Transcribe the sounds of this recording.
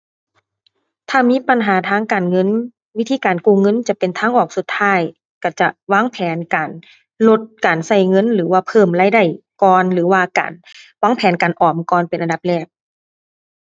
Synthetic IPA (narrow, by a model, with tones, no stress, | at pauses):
t̪ʰaː˧˩miː˧˥˨pa˨nɦaː˨˦t̪ʰaː˧˥˨ŋkaː˨nŋɤ˧˥˨n | wi˦˥t̪ʰiː˧˦kaː˨nkuː˧˩˨ŋɤ˧˥˨nt͡ɕa˧˦pe˨nt̪ʰaː˧˥ŋʔɔː˧˩k̚su˨˧˦t̪ʰːaː˧˥˨j | ka˧˩t͡ɕa˧˩ʔwaː˧˥˨ŋpʰɛː˨˦nkaː˨˩n | lo˧t̪̚kaː˨˩nsa˧˩jŋɤ˧˥˨nlɯː˩˦waː˧˩pʰɤː˧˩˨mlaː˧˥˩jda˧˩jkɔː˧nlɯː˨˩˦waː˧ka̰ː˨˩nwaː˧˥˨ŋpʰɛː˨˦nkaː˨˩nʔɔː˨˩mkɔː˧˩npe˨nʔa˨nda˧˦p̚lɛː˧˩p̚